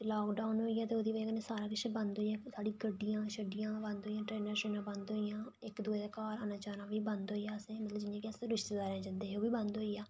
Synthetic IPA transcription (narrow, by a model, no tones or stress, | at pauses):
laːkɖaʊnɦoːijaːt̪eːoːd̪iːʋəknẽːsaːɾaːkɪʃeːbənd̪ɦoːijãːsaːɖiːɡəɖːɪjãːʃəɖɪjãːbənd̪ɦoːijãːʈɾeːnəɾʃoːnãːbənd̪ɦoːijãːɪkd̪ued̪eːkaːɾənãːt͡ʃaːnãːʋiːbənd̪ɦoːijaːəsẽːmət̪ləbd͡ʒɪnjãːkɪəsẽɾɪʃt̪eːd̪aːɾẽːd͡ʒənd̪eːɦoːʋiːbənd̪ɦoːijaː